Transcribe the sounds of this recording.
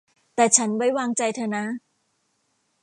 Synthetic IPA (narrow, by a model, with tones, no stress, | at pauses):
t̪ɛː˨˩t͡ɕʰa˦˥nwa˧˥˩jwaː˧ŋt͡ɕa˧jt̪ʰɤː˧na˦˥